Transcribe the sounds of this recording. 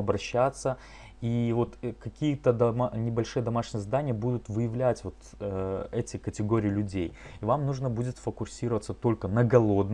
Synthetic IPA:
ɐbɾɐɕːat̪sːə | ivo̞t̪kɐkʲijət̪əd̪ɐmnʲɪbɐlʲʂɨjəd̪ɐmaʂnʲɪjəzd̪anʲɪjəbud̪ʊt̪vɨjɪvlʲætʲvo̞t̪ | əɛtʲɪkətʲɪɡo̞ɾʲɪːɪlʲʉdʲḛjivamnuʐnəbudʲɪt̪fəkʊsʲiɾəvət̪sət̪o̞lʲkənəɡɐlˠo̞d̪n

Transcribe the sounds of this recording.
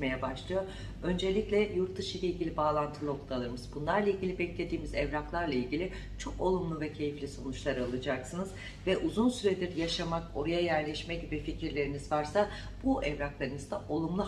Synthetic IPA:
me̞jɛbaʃlˠɯjo̞ | ø̞nd͡ʒe̞lʲiclʲɛjuɾt̪d̪ɯʃɯjlʲeilʲɟʲilʲibaːlˠant̪ʰɯlˠo̞klʰˠalˠɯɾmɯz̥bunlˠaɾlˠailʲɟʲilʲibɛclʲe̞d̪iːmizɛvɾaklˠaɾlˠailʲɟilʲɪ | t͡ʃʰo̞ko̞lˠumlˠuvɛcʰe̞jiflʲiso̞nut͡ʃlˠaɾɯalˠɯd͡ʒaksɯnɯz̥ | vɛʔuzunsyɾed̪ʲiɾjaʃamako̞ɾajajæɾlʲɛʃmɛɟibificʰiɾlʲe̞ɾinizvaɾsa | b̥uʔɛvɾaklˠaɾɯnɯzd̪aʔo̞lˠumlˠu

